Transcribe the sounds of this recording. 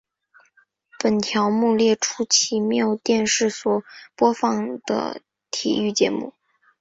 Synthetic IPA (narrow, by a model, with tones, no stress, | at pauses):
pə˨˩nt̪ʰjɑ˧˥ʊmu˥˧ljɛ˥˩ʈ͡ʂʰu˥t͡ɕʰi˧˥mjɑ˥ʊ˩t̪jɛ˥˧nʂɻ̩˥˩swɔ˨˩pwɔ˥fɑ˥˩ŋd̪ə̰˧˩ | t̪ʰḭ˨˩y˥˩t͡ɕjɛ˧˥mṵ˥˩